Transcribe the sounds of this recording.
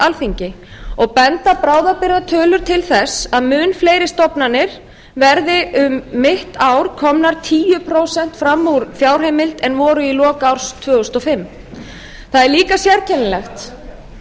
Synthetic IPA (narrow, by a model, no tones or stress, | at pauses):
alfiɲcɪ | ɔɣpɛnt̪apɾaːwðapɪɾːat̪ʰœːlʏɾ̥t̪ʰɪlθɛsaðmʏːnfleːjɾɪst̪ɔpnanːɪɾ̥ | vɛɾðɪʔʏmːɪht̪aːwɾ̥kʰɔmnaɾ̥t̪ʰiːjʏpʰɾowsɛn̥t̪fɾamːuɾfjaːwr̥ɦejmɪlt̪ɛnvɔːɾʏilɔːkaawɾ̥st̪ʰvœːʏst̪ɔfɪmː | θaðɛɾliːkasjɛɾcʰɛnlɛxt̪